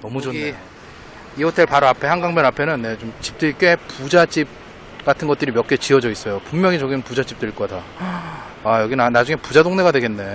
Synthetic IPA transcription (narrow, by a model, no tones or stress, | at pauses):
nʌmud͡ʑoe | iʌtʰeɭpaɾoapʰe̞haŋɡaŋbjʌnapʰe̞nɯnːe̞t͡ɕomt͡ɕi̥p̚t͈ɯɭk͈e̞pud͡ʑad͡ʑip̚ | k͈atʰɯnɡʌt͈̚ɯɾimjʌk͈et͡ɕiʌd͡ʑʌis͈ʌjopummjʌŋit͡ɕʌɡinɯnpud͡ʑat͡ɕ͈ip̚t͈ɯɭk͈ʌda | ajʌɡinanad͡ʑuŋe̞pud͡ʑadoŋne̞ɡadwe̞ɡe̞nːe̞